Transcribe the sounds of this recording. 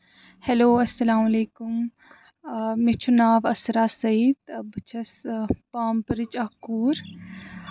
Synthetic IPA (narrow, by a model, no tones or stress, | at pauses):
heloːɐsːɐlaːmɐleːkʊm | met͡ʃʰunaːʋɐsɾaːsɐiːd̪bɐt͡ʃʰɐspaːmpɐɾɪt͡ʃakuːɾ